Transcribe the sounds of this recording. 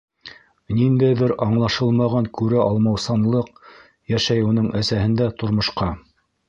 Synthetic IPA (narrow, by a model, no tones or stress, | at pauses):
nind̪æjðɘɾɑɴlˠɑʃɤlˠmɑʁɑŋkʉɾɘɑlˠmɑwsɑnlˠɤq | jæʃæjunɤɴʔæsæhɘ̆nd̪æt̪ŏɾmŏʃqɑ